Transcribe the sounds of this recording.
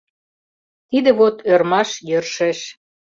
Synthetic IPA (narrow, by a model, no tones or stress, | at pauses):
t̪id̪ə̆βot̪ørmɑʃjərʃĕʃ